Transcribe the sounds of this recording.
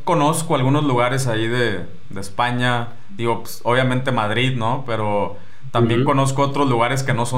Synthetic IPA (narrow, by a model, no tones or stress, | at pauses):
ko̞no̞skoalɣuno̞zluɣ̞aɾe̞s̬aiðe̞ | d̪e̞ːspaɲa | d̪iɣope̥soβ̞jamẽnt̪e̞maðɾiðno̞pe̞ɾo | t̪ambje̞ŋko̞no̞s̬koot̪ɾo̞zluɣ̞aɾe̞s̬ke̞no̞so